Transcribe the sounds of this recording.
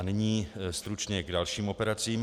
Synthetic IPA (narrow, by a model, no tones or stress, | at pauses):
nɪɲiːst̪ɾut͡ʃɲɛɡdalʃiːmo̞pɛɾat͡siːm